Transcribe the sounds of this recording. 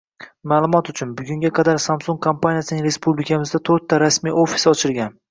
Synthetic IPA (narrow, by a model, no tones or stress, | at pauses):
maːlˠʊmɒt̪ʊt͡ʃʰʊnbʊɡʲʊŋɡʲaqʰɑd̪aɾsamsoŋkkʰompʰanijasɪnɪŋɾe̞spublɪkʰʲamɪzd̪at̪ʰoɾt̪ʰːaɾasmijʔofi̥sɒt͡ʃʰɪɾɡʲan